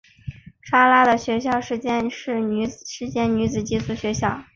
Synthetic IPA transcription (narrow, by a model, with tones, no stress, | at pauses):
ʂʰa˥la˥d̪ə˨ɕɥɛ˧˥ɕjɑ˥˧ʊʂɻ̩˥˩t͡ɕjɛ˥nʂɻ̩˥˩n˧˥ʂɻ̩˥˧t͡ɕjɛ˥nny˧˥t͡sɹ̩˨˩t͡ɕi˥˩sʰu˧˥ɕɥɛ˧˥ɕjɑ˥˩ʊ